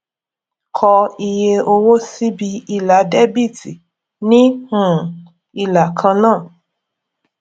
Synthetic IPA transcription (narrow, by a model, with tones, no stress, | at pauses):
kʰɔ˧i˧je˧o˧wo˦si˦bi˧i˧la˨˦dɛ˦bi˦˨ti˨ | nĩ˦hũ˦˨ | i˧la˨kʰã˧nãː˦˨